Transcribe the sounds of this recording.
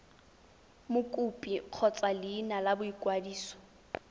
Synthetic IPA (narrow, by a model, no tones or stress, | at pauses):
mʊkʼupʼiq͡χʰɔt͡sʼalɪːnalabʊikʼwadiːsɔ̥